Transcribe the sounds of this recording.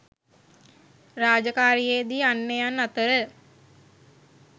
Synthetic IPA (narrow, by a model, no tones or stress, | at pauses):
raːd͡ʒəkaːɾijeːd̪iːanːejanːat̪əɾə